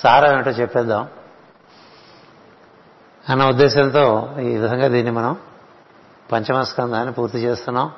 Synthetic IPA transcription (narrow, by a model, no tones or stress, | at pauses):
saːɾaʋeɳʈoːt͡ʃɛpːɛːd̪ːaːm | ɐnːɐud̪ːɛːʃɐnt̪o̞ːiʋid̪ʱɐŋɡaːd̪iːnːimɐnɐm | pɐɲt͡ʃɐmɐskɐnd̪aːnːipuːɾt̪it͡ʃeːst̪unːaːm